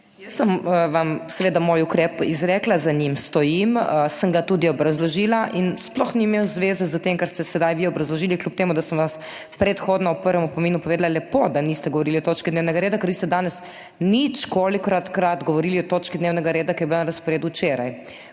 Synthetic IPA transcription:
jəsːəmʋamsɛʋeːd̪amoːjukɾɛpizɾɛːklazaɲimst̪ɔjiməsəmɡat̪uːd̪iɔbɾazlɔʒiːlaʔinsplɔxniːmeːwzʋeːzɛzət̪emkaɾst̪ɛsɛd̪ajʋiɔbɾazlɔʒiːliklʲup̚t̪eːmud̪asəmʋas | pɾɛt̪xoːd̪nɔupəɾʋɛmupɔmiːnupɔʋeːd̪alalɛpod̪anist̪ɛɡɔʋɔɾiːliɔt̪oːt͡ʃkid̪neːwnɛɡaɾeːd̪akəɾʋiːst̪ɛd̪aːnɛs | nit͡ʃkoːlikɾat̪kɾat̪ɡɔʋɔɾiːliɔt̪oːt͡ʃkid̪neːwnɛɡaɾeːd̪akɾjɛbilanaɾɐspɔɾeːd̪ut͡ʃeːɾa̰j

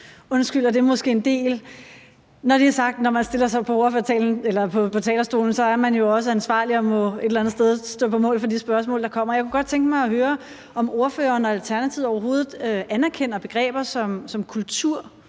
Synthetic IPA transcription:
ɔ̽nsɡ̥yl̰æd̥e̝ɐmɔ̽sɡ̥e̝̰ːend̥e̝̰ːl | nɒɾ̥eæsɑ̈ɡ̥̚d̥nɒmænsd̥e̝lɐsɑ̈ɪpʰɒ̽o̝ɐføɐt͡sʰɛ̰ːln̩elɐpʰɒ̽pʰɒ̽t͡sʰɛ̰ːlɐsd̥o̝ːln̩sɒ̽æɐmænjo̝ɒ̽s̬əænsʋɑ̰̈ːliɒ̽mɔ̽e̝d̥elænð̩ˠsd̥eð̞ˠsd̥ɔ̰ːpʰɒ̽mɔ̰̽ːlˠfɒ̽disb̥ɶɐsmɔ̰ːld̥ɑ̈kʰɒ̽m̰ɐjaɪkuɡ̥ɒ̽d̥̚t͡sʰeŋɡ̥əmɑ̈ɪɒ̽ɦøːɐ | ɒ̽mo̝ɐfø̰ːɐːnɒælt͡sʰæɐnæt͡sʰiʊ̰ɒʊɐɦo̝ːð̩ˠøænæɐkʰen̰ɐb̥e̝ɡ̥ʁɛ̰ːb̥ɐsɒ̽msɒ̽mkʰult͡sʰuɐ̰

